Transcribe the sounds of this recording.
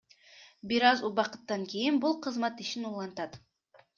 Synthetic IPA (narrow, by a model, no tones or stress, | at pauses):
biɾɑzubɑqɯ̥t̪ːɑŋkijinbulˠqʰɯzmɑt̪iʃinulˠɑnt̪ɑt̪